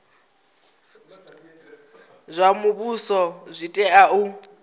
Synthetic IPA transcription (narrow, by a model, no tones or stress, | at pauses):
zʷamubusɔzʷitʼɛaʔu